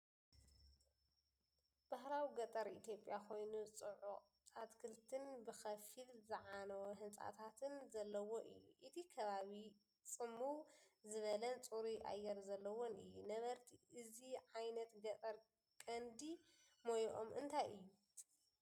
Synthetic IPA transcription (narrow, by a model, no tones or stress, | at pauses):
b̥ahɾawiɡɐt̪ʼɐɾʔit̪ʰjo̞pʼjakʰo̞jnut͡sʼɨʕu | at̪kʰɨɾt̪ʰɨnbɨxɐfilzɨʕanɐwoɦɨnt͡sʼa̰t̪ʰat̪ʰɨnzɐlːɐwo̞ʔɨ̰jːṵʔɨt̪ʰikʰɐβaβi | t͡sʼɨmːuwzɨβɐlɐnt͡sʼuɾiʔa̰jːɛɾzɐlːɐwo̞nɨjːunɐβɐɾt̪ʰiʔɨziʕajnɐt̪ɡɐt̪ʼɐɾ | kʼɐnd̪i | mojʔo̰mʔɨnt̪ʰajʔɨjːu